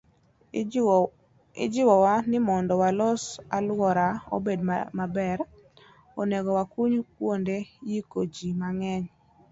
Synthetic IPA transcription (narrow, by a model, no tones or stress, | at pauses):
ɪd͡ʒɪwɔwanɪmɔndɔwalɔsalwɔɾao̰bedmabɛɾ | oneɡɔwakuɲkwondejikod͡ʒimaŋɛɲ